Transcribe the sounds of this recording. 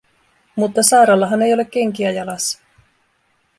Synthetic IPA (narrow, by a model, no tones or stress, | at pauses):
mut̪ːɑsɑːɾɑlːɑɦɑne̞jo̞lekːe̞ŋk̟iæjɑlɑsːɑ̥